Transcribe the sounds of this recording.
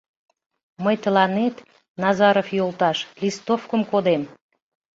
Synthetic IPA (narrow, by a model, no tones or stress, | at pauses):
məjt̪əlɑnet̪ | nɑzɑɾofjolˠt̪ɑʃlist̪ofkəmkod̪em